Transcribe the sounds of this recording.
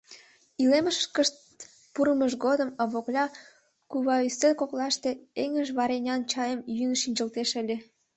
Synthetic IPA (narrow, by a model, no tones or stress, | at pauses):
ileməʃkəʃt̪̚ | puɾəməʃɡod̪əməβoklʲɑ | kuβɑyselʲkoklɑʃt̪e̽eŋəʒβɑɾenʲɑnt͡ɕɑjəmjynʃinʲd͡ʑə̆lt̪eʃə̆lʲe